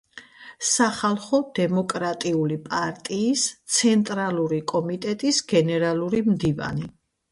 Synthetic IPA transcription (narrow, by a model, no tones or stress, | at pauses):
saχalˠχɔd̪̥ɛmɔkʼɾat̪ʼiulipʼaɾt̪ʼiːst̪sʰɛnt̪ʼɾalˠuɾikʼɔmit̪ʼɛt̪ʼisɡɛnɛɾalˠuɾimd̪iva̰ni